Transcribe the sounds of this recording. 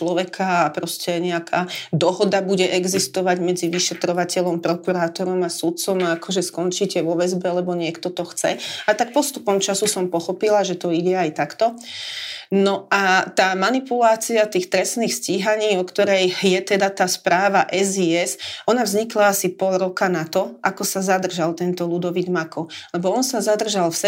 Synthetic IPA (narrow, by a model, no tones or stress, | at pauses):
t͡ʃlɔʋɛkʰaapɾɔscɛɲɛakʰaːd̪ɔɦɔd̪abuɟɛʔɛɡzist̪ɔʋaɟmɛd͡ziʋiʃɛt̪ɾɔʋacɛʎɔmpɾɔkuɾaːt̪ɔɾɔmasut̪̚t͡sɔmaakʰɔʒɛskɔnt͡ʃicɛʋɔʋɛzbɛlɛbɔɲɪɛkt̪ɔt̪ɔxt͡sɛ̰at̪ak̚pɔst̪upɔmt͡ʃasusɔmpɔxɔpilaʒɛt̪ɔiɟɛajt̪akt̪ɔ | nɔat̪aːmanipulaːt͡siat̪iːxt̪ɾɛsniːxsciɦaɲiːɔkt̪ɔɾɛjjɛt̪ɛd̪at̪aːspɾaːʋaʔɛziɛzʔɔnavzɲiklaasipɔlɾɔkanat̪ɔʔakɔsazad̪r̩ʒalt̪ɛnt̪ɔlud̪ɔʋid̪makɔlɛbɔɔnsazad̪r̩ʒalfs